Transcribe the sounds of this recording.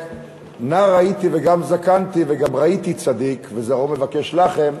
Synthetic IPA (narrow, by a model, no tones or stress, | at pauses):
naʁait̪iveɡamzakant̪iveɡamʁait̪it͡sad̪ikvezaʁome̞vake̞ʃlaχe̞m